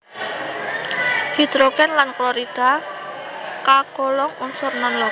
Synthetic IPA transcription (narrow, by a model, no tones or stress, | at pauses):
hid̪̥ɾoɡ̥ɛnlanklɔɾid̥a̤ | kaɡ̥ɔlɔŋunsɔrnɔnlɔ